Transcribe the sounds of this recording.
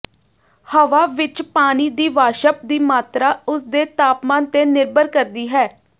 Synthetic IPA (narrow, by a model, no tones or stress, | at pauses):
həʋaːʋɪt͡ʃpaːniːd̪iːʋaːʃəp̚d̪iːmaːt̪ɾaːʊsd̪eːt̪aːpmaːnt̪eːnɪɾbəɾkəɾd̪iːɦɛː